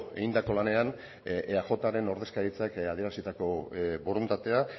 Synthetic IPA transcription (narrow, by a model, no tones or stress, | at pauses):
ḛind̪ako̞lane̞an | axo̞t̪aɾe̞no̞ɾð̞e̞skaɾit͡sakaðie̞ɾasit̪ako̞βoɾunt̪at̪e̞a